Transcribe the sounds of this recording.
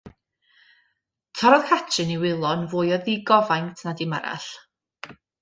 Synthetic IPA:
tʰɔɾɔðkʰat͡ʃʰɨniwɪlˠɔnvʊːjɔðiɡɔvajntʰnadimaɾa̰ɬ

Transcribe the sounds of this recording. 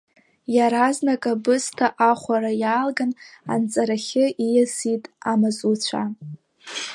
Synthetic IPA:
jaɾaznakʼabɨstʰaʔaχʷaɾajaːlɡana̰nt͡sʼaɾaχʲɪʔijazitʼamazʼut͡ɕʷʰa̰

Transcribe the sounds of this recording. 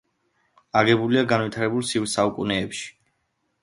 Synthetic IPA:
aɡɛbuliaɡanwit̪ʰaɾɛbulˠsivsaukʼunɛːpʃi̥

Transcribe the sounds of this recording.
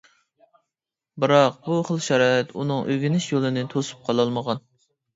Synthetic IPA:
bɨɾɑqbuχəlˠʃɛɾɑːɪt̪unɨŋʔøɡʲinɪʃjolˠɨnɨt̪ʰosu̥p̚qʰɑlˠɑlˠməʁɑn

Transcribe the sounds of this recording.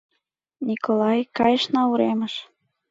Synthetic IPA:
nʲikolˠɑjkɑjəʃnɑuɾeməʃ

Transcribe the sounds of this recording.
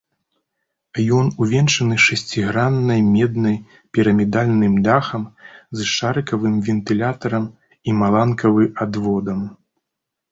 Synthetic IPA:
jɔnuvʲɛnʂɐnɨʂasʲt͡sʲiɣɾanːɐjmʲɛd̪nɐj | pʲiɾɐmʲid̪alʲnɨmd̪axɐmzʂaɾɨkɐvɨmvʲɛnt̪ɨlʲat̪ɐɾɐm | imalˠankʰɐvɨad̪vɔd̪ɐm

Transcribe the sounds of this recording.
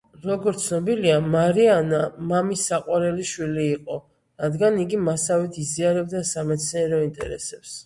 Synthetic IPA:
ɾɔɡɔɾt̪sʰnɔbiliamaɾianamamisaqʼwaɾɛliʃwiliːqʼɔ | ɾad̪ɡaniɡimasavit̪ʰiziaɾɛb̚d̪asamɛt̪sʰniɛɾɔint̪ʼɛ̰ɾɛ̰sɛps

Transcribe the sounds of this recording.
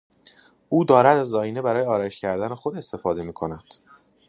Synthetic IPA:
ʔuːd̪ɒːɾæd̪æzːɒːiːne̞bæɾɒːjeɒːɾɒːeʃcʰæɾd̪ænexo̞d̪e̞st̪e̞fɒːd̪e̞miːkʰo̞næd̪̥

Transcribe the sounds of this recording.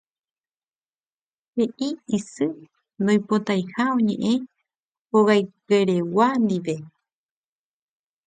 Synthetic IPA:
heʔiisɨ | nõj̃pot̪ajhaõɲḛ̃ʔẽ | oɣajkeɾewand̪iʋe̞

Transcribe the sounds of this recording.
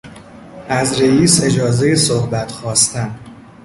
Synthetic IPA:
ʔæzɾejiːse̞d͡ʒɒːzejesohbæt̪ʰxɒːst̪ʰæn

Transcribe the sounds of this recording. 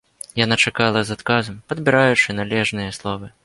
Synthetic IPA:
janat͡ʂakalˠɐzat̪kazɐmpɐd̪bʲiɾajut͡ʂɨnalʲɛʐnɨjɐslˠɔvɨ

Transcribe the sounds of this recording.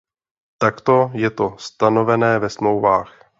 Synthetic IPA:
t̪akt̪o̞jɛt̪o̞st̪ano̞vɛnɛːvɛsmlowvaːx

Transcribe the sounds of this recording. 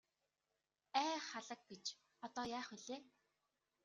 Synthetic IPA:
æːχaɮə̆k̚pet͡ɕ | ɔt̪ɔːjaːχuɮeː

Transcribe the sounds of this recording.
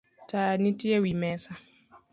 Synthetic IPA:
tajanitiɛwimɛsa

